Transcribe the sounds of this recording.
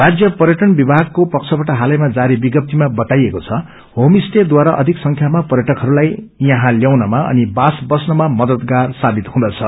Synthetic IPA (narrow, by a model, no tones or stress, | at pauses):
rad͡zjʌpʌɾjʌʈʌnbibʱaɡ̚kopʌkt͡sʰʌbaʈaɦalʌjmad͡zaɾibiɡʌp̚t̪imabʌt̪ajekot͡sʰʌ | homisʈed̪waɾaʔʌd̪ʱiksʌŋkʰjamapʌɾjʌʈʌkɦʌɾulajjʌɦãljawnʌmaʔʌ̰nibasbʌsnʌmamʌd̪ʌd̪ɡarsabit̪ɦũd̪ʌt͡sʰʌ